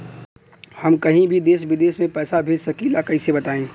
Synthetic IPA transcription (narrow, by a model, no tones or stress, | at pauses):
hɐmkɐɦĩbʱid̪eːʃʋɪd̪eːʃmẽpɛːsabʱeːd͡ʒsɐkiːlakɐĩsebɐt̪aːẽː